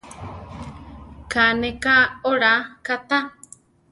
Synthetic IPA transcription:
kanekaoɾakat̪a

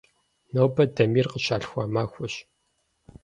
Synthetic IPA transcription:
nowbɐdɐmiːrqəɕaːɬxʷaːmaːxʷʊɕ

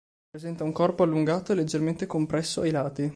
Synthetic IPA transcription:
pːɾezɛnt̪auŋkɔrpoalːuŋɡaːt̪oelːed͡ʒːerment̪ekompɾɛsːoajlaːt̪i

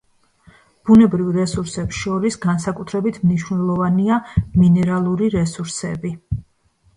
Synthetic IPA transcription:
b̥unɛbɾivɾɛsuɾsɛpsʃɔɾisɡansakʼut̪ʰɾɛbit̪ʰmniʃwnɛlˠɔvaniaminɛɾalˠuɾiɾɛsuɾsɛbi

